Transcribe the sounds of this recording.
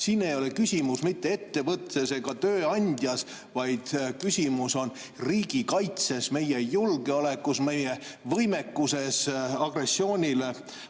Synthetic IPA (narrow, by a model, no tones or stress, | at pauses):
sinːe̞jo̞le̞kysʲimusmit̪ːe̞e̞t̪ːe̞vɤt̪se̞se̞ɡ̥ɑt̪øːɑnʲd̪̥ʲjɑs | vɑjd̪̥kysʲimuso̞n | riːɡ̥ikɑjt̪se̞sme̞jejulɡ̥e̞ole̞kːˑusme̞jevɤjme̞kːuse̞sɑɡ̥re̞sːjo̞ːnʲile̞